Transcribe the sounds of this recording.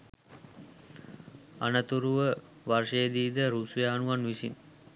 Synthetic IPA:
a̰nət̪uɾuʋə | ʋarʂejəd̪iːd̪əɾusujaːnuʋanʋisin

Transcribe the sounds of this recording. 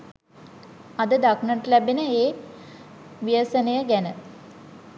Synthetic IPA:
ad̪əd̪aknəʈlæbenəeː | ʋijəsənejəɡænə

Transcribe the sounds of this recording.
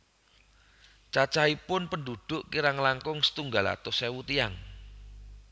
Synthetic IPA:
t͡ʃat͡ʃaipʊnpənɖuɖ̪̥ʊʔkiɾaŋlaŋkʊŋsə̥t̪uŋɡala̰t̪ʊsewut̪ijaŋ

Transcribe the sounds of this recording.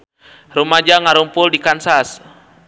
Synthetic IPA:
rumad͡ʒaŋaɾumpʊldikansas

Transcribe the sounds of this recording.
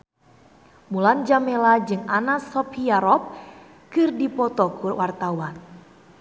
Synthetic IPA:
muland͡ʒamelad͡ʒɨŋanasɔpʰiaɾɔp̚ | kɨrdipɔt̪ɔkʰurwart̪awan

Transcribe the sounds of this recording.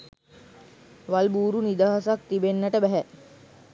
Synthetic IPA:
ʋalbuːɾunid̪aːɦasak̚t̪ibenːɐʈəbæɦæ

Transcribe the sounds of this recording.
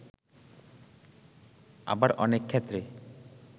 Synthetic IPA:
a̰baɾɔ̰nekʰːet̪ɾe

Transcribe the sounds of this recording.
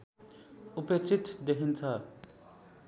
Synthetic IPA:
upet͡sʰit̪d̪eɦʰint͡sʰʌ

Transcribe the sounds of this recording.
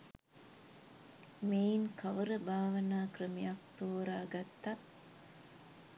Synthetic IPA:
meːiŋkɐʋəɾəbaːʋɐnaːkrəmijak̚t̪oːɾaːɡɐt̪ːɐt̪

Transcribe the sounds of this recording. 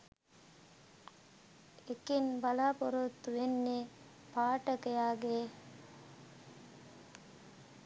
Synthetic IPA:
ekenbɐlaːpoɾot̪ːuʋenːe | paːʈəkejaːɡeː

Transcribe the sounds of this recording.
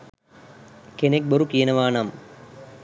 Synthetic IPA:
kenek̚boɾukijɐnɐʋaːnɐm

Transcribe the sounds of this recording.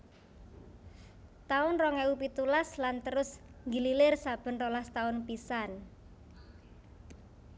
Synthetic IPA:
t̪aʊnrɔŋɛupit̪ulaslant̪əɾʊsŋɡililɪrsab̥ə̤nrɔlast̪aʊnpisan

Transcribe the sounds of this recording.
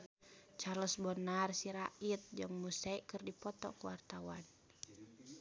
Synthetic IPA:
t͡ʃarləsbɔnarsiɾaʔit̪̚d͡ʒaŋmusɛikɨrdipɔt̪ɔ̰kuwart̪awan

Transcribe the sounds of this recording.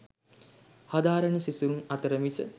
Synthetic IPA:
had̪aːɾənəsisuɾuŋɐt̪əɾəmisə

